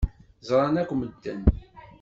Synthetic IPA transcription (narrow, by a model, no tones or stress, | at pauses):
zˤɾˤɑnækʷːməd̪ːæn